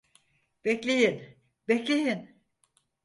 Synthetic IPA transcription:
b̥ɛclʲejin | bɛclʲejin

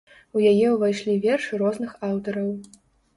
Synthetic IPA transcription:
ujajɛuvajʂlʲivʲɛrʂɨɾɔznɨxawt̪ɐɾɐw

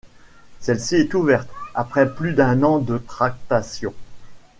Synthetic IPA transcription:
sɛlsiɛt̪uvɛʁt̪apχɛplyd̪ɛ̃nɑ̃d̪ət̪χak̚t̪asjɔ̃

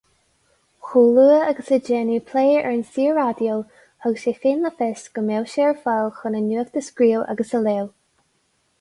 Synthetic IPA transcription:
xuːluəəɡəsəd͡ʒɛnipʰleːɛ̰ɹnsiːəɹad̪jol | əɡəsʃefinləfɛsɡ̥əmɛwʃɛɹfɔlˠxʊnənuək̚d̪əskɹiːla̰ɡəsəleːl

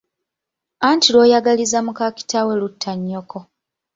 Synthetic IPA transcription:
antilo̞ːjaɡalizamukaki̥tawelutʰːaɲːokʰo̞

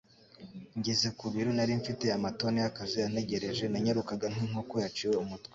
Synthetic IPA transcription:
ɲɟeze̞kuβiɾunaɾiɱfite̞amato̞neakazijan̥e̞ɟe̞ɾe̞ʒe̞naɲeɾukaɡanɦiŋo̞kojat͡ʃiweumutwe

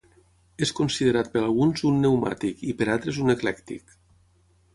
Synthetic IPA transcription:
eskonsiðeɾat̪̚pəɾalˠɣunzunːewma̰t̪ikipəɾalˠt̪ɾezuneklɛkt̪ḭk

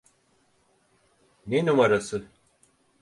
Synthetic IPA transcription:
nenumaɾasɯ

